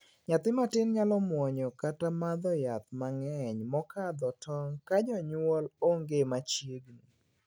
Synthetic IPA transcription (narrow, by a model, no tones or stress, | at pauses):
ɲat̪ɪmatɪnɲalɔmwɔɲɔkatamad̪ɔjat̪maŋɛɲmɔkad̪ɔtɔŋkad͡ʒɔɲwɔloŋɡemat͡ʃjeɡni